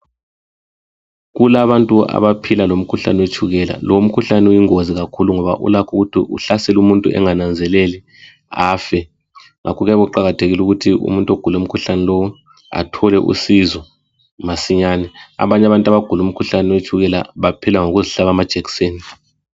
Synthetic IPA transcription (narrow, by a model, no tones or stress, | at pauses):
ɣulaβantʼua̰βapʰilalom̩kʰuɬanɛwet͡ʃʰʼuɣɛla̰lɔwm̩kʰuɬanɛujiŋoziɣakʰuluŋɔβa̰ʔṵlakʰuɣutʰḭʔṵɬasɛlumuntʼuʔɛ̰ŋanand͡zʱɛlɛli | aːfɛ | ŋa̰kʰɔɣɛɣuǃaɣatʰeɣiluɣutʰiṵmuntʼoɡ̥ʱulum̩kʰuɬanɛlowɔ | a̰tʰɔlɛʔṵsizɔ | masiɲaːnɛa̰βaɲaβantʼaβaɡ̥ʱulum̩kʰuɬanɛwet͡ʃʰʼuɣɛla̰βapʰilaŋoɣuziɬaβamad̥ʒ̥ʱɛkseːni